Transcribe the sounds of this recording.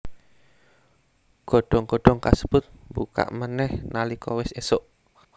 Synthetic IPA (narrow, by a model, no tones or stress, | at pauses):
ɡ̥ɔ̤ɖ̥ɔŋɡ̥ɔɖ̥ɔŋkasəb̥ʊt̪̚mbuka̰ʔmanɛhnalikɔwɪsesʊʔ